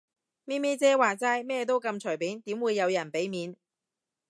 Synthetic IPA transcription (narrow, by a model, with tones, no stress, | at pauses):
miː˥meː˥t͡sɛː˥waː˨t͡saː˥jmɛː˥t̪̬o˥wkɐ˧mt͡ʃʰɵ˨˩piː˨˥nt̪iː˨˥mwuː˨˧jːɐ˨˧wjɐ˨˩npe˨˥jmiː˨˧n